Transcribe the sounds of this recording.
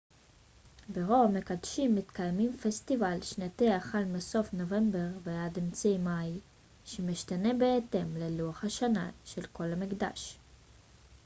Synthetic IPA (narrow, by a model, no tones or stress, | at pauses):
beʁoamekad̪ʃimːit̪kajmimfest̪ivalʃnat̪eaχalmeso̞fnove̞mbe̞ʁveademt͡sejmaj | ʃemiʃtane̞beːt̪e̞mleluaχhaʃana̰ʃelko̞lhamikd̪a̰ʃ